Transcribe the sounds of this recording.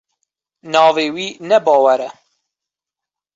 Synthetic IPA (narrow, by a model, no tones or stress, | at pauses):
nɑðˤiwinæbɑwæɾæ